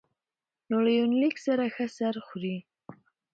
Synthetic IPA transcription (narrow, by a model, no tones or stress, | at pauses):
noɽajonliksaɾaxəsaɾxɾi